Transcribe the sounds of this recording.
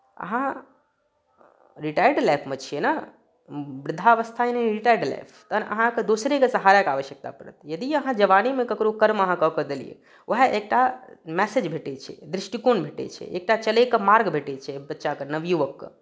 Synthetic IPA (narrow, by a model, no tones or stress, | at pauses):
ə̰ɦã | ɾiʈajɾɖlajpʰmẽt͡ʃʰijena | bɾɪd̪ʱaʋəst̪ʰaeneɾiʈajɾɖla̰jpʰt̪ənʔə̰ɦãked̪osɾekesəɦaɾjəkaːʋəʃjək̚t̪a̰pəɽə̰t̪jəd̪iəɦãd͡ʒəʋanimẽkɐkɾokəɾməɦãkəkəd̪elḭjḛ | ʋʔəɦeʔek̚ʈamɛsed͡ʒbʱeʈet͡ʃʰɛ̰d̪ɾɪʃʈikonbʱeʈḛt͡ʃʰɛ̰ʔḛk̚ʈat͡ʃəlekəmaɾɡbʱeʈet͡ʃʰɛbətːʃakənəʋjuʋəkːə̰